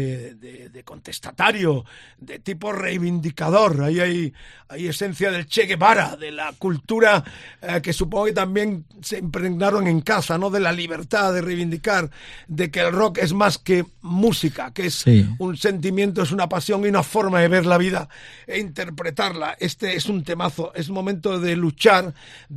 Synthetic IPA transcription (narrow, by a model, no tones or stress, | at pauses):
ðeðeko̞nt̪est̪at̪aɾjo | ðe̞t̪ipo̞re̞jβind̪ikað̞o̞ɾaiajaje̞sẽ̞n̟θjað̞e̞lt͡ʃeɣe̞βaɾaðe̞lakult̪uɾake̞sup̬oŋɡoke̞t̪ambje̞ŋseːmpɾeɣnaɾo̞ŋe̞ŋkasano̞ðe̞laliβ̞e̞ɾt̪aðe̞rejβ̞ind̪ikaɾðe̞keːlro̞ke̞zmaske̞ | musikakesunse̞nt̪̬imje̞nt̪̬o̞e̞s̬unapasjo̞ŋiunafo̞ɾmaðe̞β̞e̞ɾlaβ̞iðaeint̪e̞ɾpɾe̞t̪aɾlaʔe̞st̪eesunt̪e̞maθo̞ʔe̞smo̞mẽnt̪oðe̞lut͡ʃaɾ